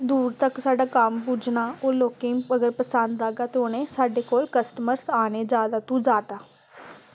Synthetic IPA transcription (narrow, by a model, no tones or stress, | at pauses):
d̪uːɾt̪əksaːɖaːkəmpud͡ʒnaːoːloːkẽːəɡəɾpəsənd̪aːɡaːt̪eoːnẽːsaːɖeːkoːlkəsʈəməɾsaːneːd͡ʒaːd̪aːt̪ũːd͡ʒaːt̪aː